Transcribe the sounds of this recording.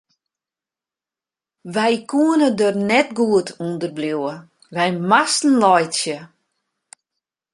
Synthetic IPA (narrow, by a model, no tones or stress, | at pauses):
ʋɛjkʰuənədørnɛtɡuətʰundərbljuwə | ʋɛjmastn̩lɔjtsjə